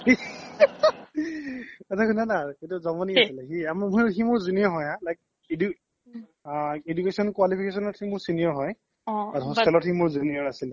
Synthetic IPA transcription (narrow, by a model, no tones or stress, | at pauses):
ɛtʰakʰunanaɹetuzɔmɔniasilxiammuximʊɹzunijɔɹɦɔjɦãlajk̚ | edu | edukesɔnkwalipʰikesɔnɔtximʊɹsiniɔɹɦɔj | aɦɔskɛlɔthimʊɹzuniɔɹasil